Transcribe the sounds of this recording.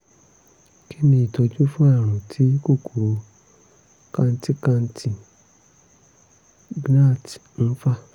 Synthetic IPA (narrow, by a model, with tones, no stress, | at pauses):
kʰi˦nĩ˧i˨tɔ˧d͡ʒu˦fũ˦ɛ˦˨ɾ̃ũ˨tʰi˨˦ko˦˨ko˨o˨˧ | kã˧n̩˦ti˦kã˧n̩˦tʰi˨ | ɡna˦˨tn̩˦fa˦